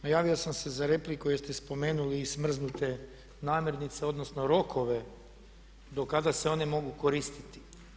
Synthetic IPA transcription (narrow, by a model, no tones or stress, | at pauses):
najaːʋio̞samse̞zaɾe̞plikujest̪espo̞me̞ːnuliːsmr̩znut̪e̞ | naːmje̞ɾnit̪se̞o̞d̪nosno̞ɾo̞kʰo̞ʋe | d̪o̞kad̪aseo̞nemo̞ɡukoɾist̪it̪i̥